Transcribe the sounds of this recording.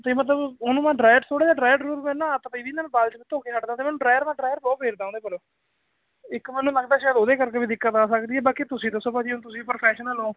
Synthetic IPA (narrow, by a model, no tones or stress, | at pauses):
t̪eːmət̪̬ləbʊnũːmãːɖɾaːjəʈt̪ʰoːɽaːd͡ʒaːɖɾaːjəɖɾuːɾmɛ̃ːnãːt̪aːpəiːbiːnãːbaːlt͡ʃbiːt̪õːkeːsəʈd̪aːt̪eːmɛ̃ːnũːɖɾaːjəɾmãːɖɾaːjəɾbɔːbeːɾd̪aːõːd̪eːpəloː | ɪkmɛ̃ːnũːləɡd̪aːʃaːjəd̪oːd̪eːkəɾkeːbiːd̪ɪkːət̪aːsəkd̪iːɛːbaːkeːt̪ʊsĩːd̪əsõːpədiːoñːt̪ʊsĩːpəɾpʰɛːʃənəloː